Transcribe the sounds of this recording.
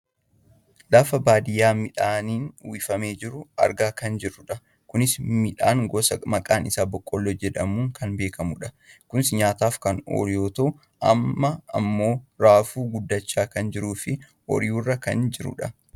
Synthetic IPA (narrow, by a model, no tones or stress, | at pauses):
lɐfɐbaːd̪ɪjːaːmɪᶑaːniːnwɪfɐme̞ːd͡ʒɪɾʊɐ̰ɾɡaːkɐnd͡ʒɪrːʊᶑɐ | kʊnɪsmɪᶑaːŋɡɔsɐmɐkʼaːnɪsaːbɔkʼːɔlːoːd͡ʒɛᶑɐmuːŋkɐnbe̞ːkɐmʊᶑɐ | kʊnsɪɲaːt̪aːfkɐno̰ːɾɪjoːt̪ɐʔʊ | ʔɐ̰mːɐɐ̰mːo̞ːɾaːfuːɡʊd̪ːɐt͡ʃːaːkɐnd͡ʒɪɾuːfɪ | ɔ̰ɾɪjuːrːɐkɐ̰nd͡ʒɪɾʊ̰ᶑɐ